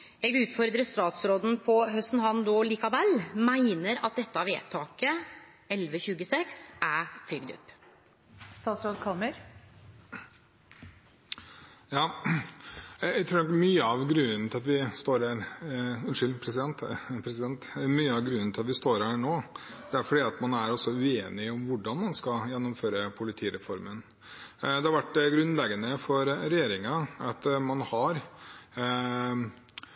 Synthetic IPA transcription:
ɛːɡʉːt̪fɔɾd̪ɾəst̪ɑːt̪sɾoːd̪n̩pʰɔɦœst̪n̩ɦɑnd̪oːliːkɑʋɛlmæɪnəɾɑ̰t̪̚d̪ɛt̪ːəɑʋḛːt̪ʰɑːkə | ɛlʋəçʉːɡəsɛksʔæfʏɡd̪ʊ̰pː | st̪ɑːt̪sɾoːd̪kʰɑlməɾ | jɑː | ææt̪ʰɾuːɾnɔkmyːəɑʋɡɾʉnənt̪ɪlɑt̪ʋɪst̪oːɾæɾʉnʂʏlpʰɾɛsɪd̪ɛnt̪pʰɾɛsɪd̪ɛnt̪myːəɑʋɡɾʉnən̩t̪ɪlɑt̪ʋɪst̪oːɾæːɳoː | d̪̥ɛæɾfɔɖiɑt̪mɑnæɾɔsːɔʉeːnɪɔmʋʊɖɑnmɑnskɑjɛnːɔmføːɾəpʰʊlɪt̪ʰiːɾɛfɔɾmən | d̪ɛhɑɾʋæʈːɡɾʉnlɛɡənəfɔɾɾɛjeːɾɪŋɑɑt̪mɑnhɑɾ

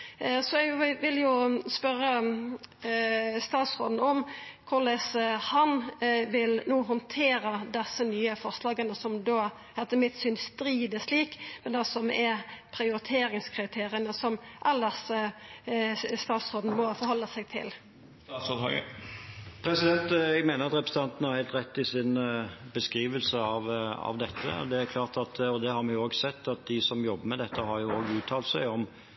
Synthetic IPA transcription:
sɔɛɡʋɪljʊspœɾə | st̪ɑːt̪sʁo̰ːd̪nɔmkʰʊʁləshɑnʋɪlnuːɦɔnt̪ʰeːɾəd̪ɛsːənyːəfɔʁslɑːɡənəsɔmd̪oː | hɛt̪ːəmɪt̪syːnsst̪ɾiːd̪əsliːkmɛnd̪ɛsɔmɛɾpʰɾɪʊɾɪt̪ʰeːɾɪŋskʰɾɪt̪ʰeːɾɪənəsɔmʔɑlːəs | st̪ɑːt̪sʁoːd̪n̩mɔfɔɾhɔlːəsɛɡt̪ʰɪ̰l | sɔd̪ɑɡə̰ | pʰɾɛsɪd̪ɛnt̪ɛɡmeːnəɾɑt̪ɾɛpɾə̥sət̪ɑnt̪n̩hɑɾhæɪlt̪ɾɛt̪ːɪsɪnbəskɾiːʋəlsəɑʋɑ̰ʋd̪ɛt̪ʰːə̰d̪ɛæɾkʰlɑːʁt̪ɑt̪ɔd̪ɛhɑɾmɛjʊoːɡsɛt̪ːɑt̪̚d̪ɪsɔmjɔbːəɾmɛd̪ɛt̪ʰːəhɑɾjʊoːɡʉːt̪ʰɑːlt̪sæɪɔm

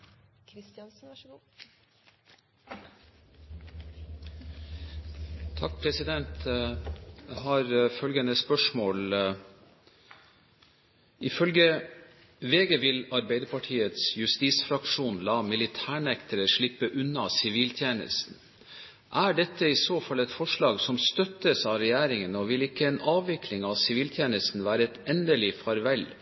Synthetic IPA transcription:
k̪ʰː | t̪ʰɑk̚pʰɾɛsɪd̪ɛnt̪ | ɛhɑːɾfœlɡənəspœʂmoːl | ɪfœlɡə | ʋeːɡəʋɪlɑɾbæɪd̪əɾpʰɑʈʰiːət̪sjʉst̪iːsfɾɑkʂuːnlɑːmɪlɪt̪ʰæːɳɛkt̪ʰəɾəʂɭɪpːəʔʉnːɑsɪʋiːlt̪ʰjeːnə̰st̪n̩ | ʔæɖɛt̪ːəɪsoːfɑlːɛt̪fɔʂɭɑːɡsɔmst̪œt̪ːəsɑʋɾɛjæːɾɪŋənɔʋɪlɪkːəɛnɑːʋʋɪkʰlɪŋɑʋsɪʋiːlt̪ʰjeːnəst̪n̩ʋæːɾəɛt̪ɛnd̪əlɪfɑɾʋɛl

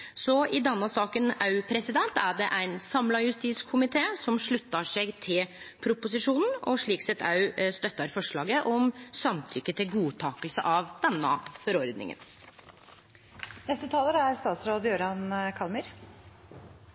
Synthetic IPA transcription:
sɔɪd̪ɛnːəsɑːkənɑʉpʰɾɛsɪd̪ɛnt̪æɖɛʔæɪnsɑmlɑjʉst̪iːskʰʊmɪt̪ʰeːsɔmʂɭʉt̪ːɑʂɛɡt̪ʰɪlpʰɾʊpʊsɪʂuːnn̩ɔʂɭiːksɛt̪ʰɑʉst̪œt̪ːɑɾfɔʂɭɑːɡəʔɔmsɑmt̪ʰʏkːət̪ʰɪlɡuːt̪ʰɑːkəlsə̰ʔɑʋd̪̥ɛnːə̰fɔɾɔɾd̪nɪ̰ŋə̰n | nɛst̪ət̪ʰɑːləɾæɾst̪ɑːt̪sɾoːd̪jøːɾɑnkʰɑlmyːɾ

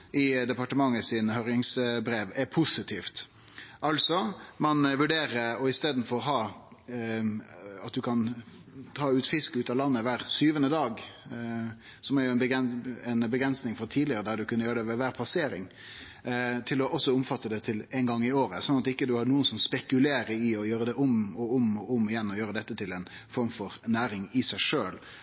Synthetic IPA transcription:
ɪd̪ɛpɑʈəmɑŋːəsɪnhœɾjɪŋsbɾeːʋɛpʰʊsɪt̪ʰiːft̪ | ʔɑlsɔmɑnʋʉɖeːɾəɔɪst̪eːd̪n̩fɔɾɔɦɑː | ɑt̪̚d̪ʉkʰɑnt̪ʰɑːʉːt̪fɪskəʉːt̪ɑlɑnːəʋæːɾsyːʋənəd̪ɑːɡ | sɔmæɾjʊɛnbəɛɛnbəɡɾɛnsnɪŋfɔt̪ʰiːd̪lɪəɾəd̪æɾd̪ʉkʰʉnːəjøːɾəd̪ɛʋɛʋæːɾpʰɑseːɾɪ̰ŋ | t̪ʰɪlɔʔɔsːɔʊmfɑt̪ːəd̪ɛt̪ʰɪlɛɪnɡɑŋːɪoːɾəsɔnɑt̪ɪkːəd̪ʉhɑnuːənsɔmspɛkʉleːɾəɾɪɔjøːɾəd̪ɛʔʊmɔʊmʊmɪjɛnːɔjøːɾəd̪ɛt̪ːət̪ʰɪlɛɪnfɔɾmfɔɾnæːɾɪŋɪsæɪʂøːl

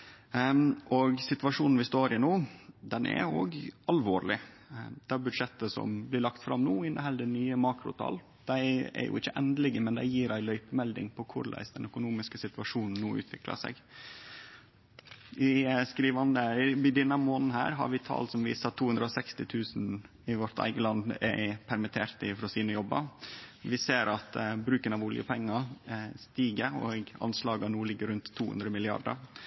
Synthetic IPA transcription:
ʔɔɡsɪt̪ʋɑʂuːnn̩ʋɪst̪oːɾɪnuːd̪ɛnʔɛ̰ɾo̰ːɡɑlʋoːɾlɪ | d̪̥ɛæɾbʉd̪ʂɛt̪ːəsɔ̰mblɪɭɑkt̪fɾɑmnuːɪnʔəhɛlːəd̪ənyːəmɑːkɾʊ̰t̪ʰɑ̰ːl | d̪̥æɪɛ̰ɾjʔʊ̰ʔɪçːəʔɛnd̪əlɪɡəmɛnd̪æɪjiːɾæɪlœʏpəmɛld̪ɪ̰ŋpʰɔkʰʊɾlæ̰ɪsd̪ɛnœkʊnuːmɪskəsɪt̪ʋɑʂuːnn̩nuːʉ̰ːt̪ʰʋɪklɑ̰sɛ̰ɡ | ɪskɾiːʋɑnd̪əɪd̪ɛnəmoːnn̩hæ̰ːɾɦɑ̰ɾʋɪt̪ʰɑ̰ːlsɔmʋḭːsəɑt̪ʰːuːhʉnd̪ɾəɔsɛkst̪ɪt̪ʰʉːsn | ɪʋɔɾt̪ʰæ̰ɪɡəlɑnd̪æ̰pʰæɾmɪt̪ʰeːɾt̪ɪfɾɔːsiːnəjɔbːɑ̰ʋɪseːɾɑt̪bɾʉːkənɑʋʊljə̰pʰɛŋːɑst̪iːɡəɾɔɡɑ̰nslɑːɡɑnuːlɪɡːəɾʉnt̪ʰːuːhʉ̰nd̪ɾəmɪlɪɑ̰ɖ̪ə̰ɾ

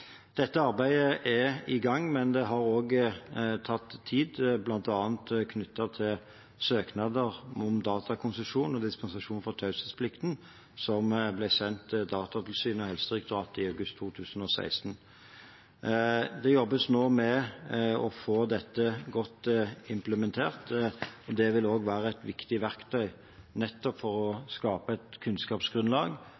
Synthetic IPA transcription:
d̪̥ɛt̪ːəɑʁbæɪəʔɛɪɡɑŋːmɛnd̪ɛɦɑʁoːɡət̪ʰɑt̪ʰːiːd̪blɑnt̪ɑːnt̪kʰnʏt̪ʰːɑt̪ʰɪl | søːknɑd̪əʁɔmd̪ɑːt̪ɑkʰʊnsəʂuːnɔd̪ɪspɛnsɑʂuːnfɔt̪ʰɑʉsəspʰlɪkt̪n̩ | sɔmblæsɛnt̪d̪ɑːt̪ɑt̪ʰɪlsyːnəɔhɛlsəʁɪkd̪ʁɑːt̪ɪɑʉɡʉst̪ʰːuːt̪ʰʉːsən̩ɔsæ̰ɪst̪n̩ | d̪ɛjɔbːəsnoːmɛ | ɔfoːd̪ɛt̪ːəɡɔt̪ːɪmpləmɛnt̪ʰeːʁt̪ɔd̪ɛʋɪloːɡʋæːʁəɛɪt̪ʋɪkt̪ɪʋæʁkt̪ʰœʏ | nɛt̪ːɔpfɔʁɔskɑːpəæt̪kʰʉnskɑːpsɡɾʉnlɑːɡ

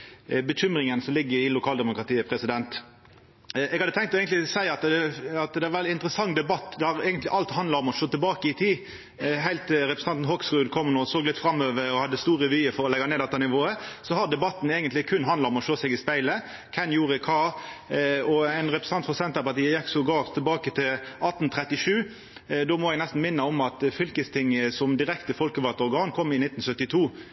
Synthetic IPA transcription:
bəçʏmɾɪŋənsɔmlɪɡːəɾɪlʊkʰɑːld̪ɛmʊkɾʁɑt̪iːəpʰɾɛsɪd̪ɛnt̪ | ɛɡɑd̪ət̪ʰɛŋkt̪ɔeɪɡənt̪lɪsæɪɑt̪d̪ɛɑt̪d̪ɛæɾʋɛlːɪɪnt̪ɾəsɑŋːd̪ɛbɑt̪ːd̪ɛɑʁɛːɡənt̪lɪʔɑlt̪hɑnd̪lɑɔmɔʃoːt̪ɪlbɑːkəɪt̪ʰiː | ɦæɪlt̪ɾɛpɾəs̩nɑnt̪n̩hɔksʁʉːd̪kʰɔmːnɔsoːɡlɪt̪fɾɑmøːʋəɾɔhɑd̪ːəst̪uːɾəʋyːəfɔɾɔlɛɡɑneːd̪ɛt̪ːɑnɪʋoːəsɔhɑd̪ɛbɑt̪ːn̩eɡənt̪lɪkʰʉnːɦɑnlɑɔmɔʃoːsɛɡɪspæɪlə | kʰɛnjuːʁəkʰɑːɾ | ɔæɪnʁɛpɾɛs̩ɑnt̪fɔsɛnt̪əpɑt̪iːəjɛkːsɔɡɑːʁt̪ʰɪɛlbɑːkət̪ʰɪlɑt̪n̩t̪ʰɾɛt̪ːɪʂʉː | d̪ɔmɔɛɡnɛst̪n̩mɪnːəɔmɑt̪fʏlkəst̪ʰɪŋːsɔmd̪ɪɾɛkt̪əfɔlkəʋɑt̪əɔɾɡɑːnkʰɔmːɪnɪt̪n̩sœt̪ːɪt̪ʰuː

